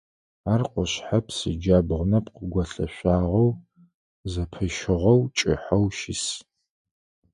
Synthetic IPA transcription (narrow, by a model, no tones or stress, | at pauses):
aːrqʷɔɕħapʰsɨd͡ʒaːbʁʷʊnɐpqəɡʷɐɬɐɕʷaːʁɐw | zɐpʰɨʃɪʁɐwt͡ʃʼɪ̰ħɐwʃɪs